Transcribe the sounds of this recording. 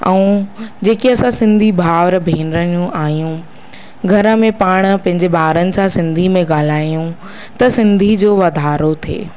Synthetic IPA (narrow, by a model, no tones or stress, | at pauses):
ɛ̰ũd͡ʑeːkeɐsãsɪ̃nd̪ʱibʱaːʋɾbʱeːnɾəijũʔaːɦjũ | ɡʱɐɾə̆mẽpaːɽ̃pɐ̃ɦɪ̃ɲd͡ʑebʱaːʋɾənɪ̆sãsɪ̃nd̪ʱimẽɡaːl̤aːijũ | t̪ɐsɪ̃nd̪ʱid͡ʑoːʋɐd̪ʱaːɾot̪ʰḛː